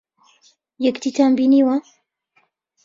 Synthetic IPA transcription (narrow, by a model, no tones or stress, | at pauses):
jɛkt̪itambiniwa